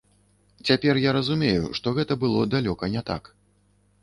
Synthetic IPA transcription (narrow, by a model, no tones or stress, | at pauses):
t͡sʲapʲɛrjaɾɐzumʲejṵʂt̪ɔɣɛt̪ɐbɨlˠɔd̪alʲɔkɐnʲɛt̪a̰k